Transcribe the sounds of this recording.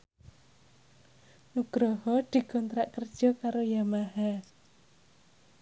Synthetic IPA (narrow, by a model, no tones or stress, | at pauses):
nuɡ̥ɾɔhɔd̪̥i̤ɡ̥ɔnt̪ɾaʔkərd̥ʒ̥ɔ̤kaɾojamaɦa